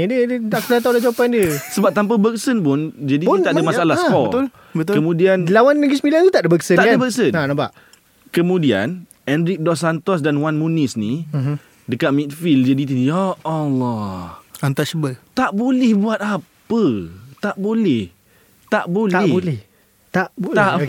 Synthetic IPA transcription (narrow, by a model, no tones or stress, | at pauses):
ɲədədədaʔkədat̪awlad͡ʒawapandiəsəbap̚t̪amp̬abək̚sənpʊnd͡ʒadiit̪aʔdəmaalahspɔət̪ʊl | bət̪kəmũdiandəlawannəɡismilanut̪aʔdəbəksənaʔdəbək̚sənanabaʔ | kəmũdia̰n | ɛndɾik̚dɔsant̪ɔs̬danwanmunisni | dəkat̪̚mĩt̪̚fild͡ʒadit̪̬iɔɔlɔant̪at͡ʃəbət̪aʔbolɛhbuat̪̚apət̪aʔbolɛh | t̪aʔbolaɛbolɛh | t̪aʔb̪a